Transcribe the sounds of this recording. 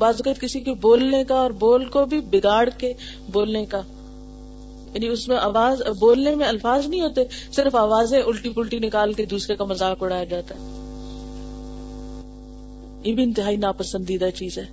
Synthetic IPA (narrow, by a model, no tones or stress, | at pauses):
baːzɐkət̪kɪsikoboːlnekaɔːɾboːlkobʱibɪɡaːɽke | boːlneka | jaːniʊsmẽʔaːʋaːzboːlnemẽɐlfaːznəɦĩɦoːt̪esɪɾəfaːʋaːzẽʊlʈipəlʈinɪkaːlked̪uːsɾekamɐzaːkʊɽaːjad͡ʒaːt̪aɦɛː | jebʱiɪ̃nt̪ɪɦaːinaːpɐsə̃nd̪id̪at͡ʃiːzɦɛː